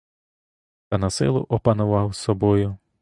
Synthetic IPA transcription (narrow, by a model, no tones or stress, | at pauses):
t̪ɐnɐsɪ̰lˠʊ̰ʔɔpɐnʊʋɑwsɔbɔjʊ